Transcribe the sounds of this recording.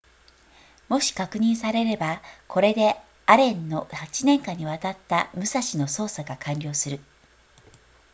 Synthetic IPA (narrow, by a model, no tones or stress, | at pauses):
mo̞ɕi̥kakɯ̟ɲ̟ĩɰ̃saɾe̞ɾe̞bakʰo̞ɾe̞d̪e̞ | aɾẽ̞nːo̞hat͡ɕinẽ̞ŋkãɲ̟ːiβat̪at̪ːamɯ̟saɕino̞so̞ːsaɡakʰãɲʲɾʲo̞ːsɨɾɯ̟